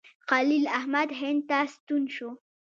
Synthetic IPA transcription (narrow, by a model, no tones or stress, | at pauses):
xalilahmad̪ɦent̪ast̪ʊnʃʊ